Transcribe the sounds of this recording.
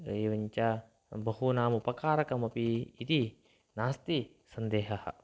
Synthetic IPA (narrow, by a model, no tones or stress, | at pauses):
iwəɲt͡ʃa | bəɦunamupakaɾakamapiːd̪i | nast̪i | sənd̪eɦaha̰